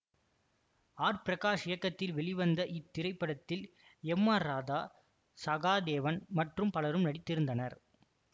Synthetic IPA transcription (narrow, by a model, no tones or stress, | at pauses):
aːɾpɪɾɐkaːʂɪjɐkːɐt̪ːɪlʋɛɭɪʋɐnd̪ɐʔɪt̪ːɪɾɐɪpːɐɽɐt̪ːɪl | ɛmːaːɾaːðaː | sɐɣaːd̪eːʋɐnmɐʈrɯmpɐlɐɾɯmnɐɽɪt̪ːɪɾɯnd̪ɐnɐɾ